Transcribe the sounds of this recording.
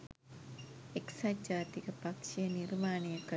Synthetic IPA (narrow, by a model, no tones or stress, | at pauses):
eksad͡ʒaːt̪ikəpɐkʃijəniɾmaːɳ̃ijəkə